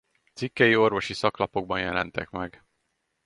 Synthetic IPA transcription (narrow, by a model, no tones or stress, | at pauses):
t̪sikːɛjio̞rvo̞ʃisɒklɒpo̞ɡ̚bɒnjɛlɛ̰nt̪ɛkmɛɡ